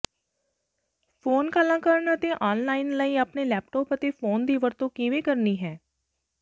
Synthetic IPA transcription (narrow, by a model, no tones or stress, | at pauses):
pʰoːnkaːlãːkəɾənət̪ẽːʔɔːnlaːɪnləiːapneːlɛːp̚ʈɔːpət̪eːfʰoːnd̪iːʋəɾt̪õːkiːʋeːkəɾniːɦɛː